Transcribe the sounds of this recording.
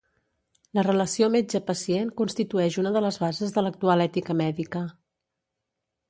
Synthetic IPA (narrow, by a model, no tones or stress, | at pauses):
lərələsiomed͡ʒəpəsienkunst̪it̪uɛʃunəðələzβazəzðələk̚t̪ualɛt̪ikəmɛðikə